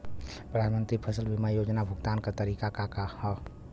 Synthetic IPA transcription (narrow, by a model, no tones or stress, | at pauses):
pɾəd̪ʱanmənt̪ɾipʰəsəlbimajod͡ʒnabʱuɡt̪ankat̪əɾikakakahə